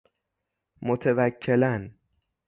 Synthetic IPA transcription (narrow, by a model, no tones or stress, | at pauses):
mot̪ʰevækʰːelæn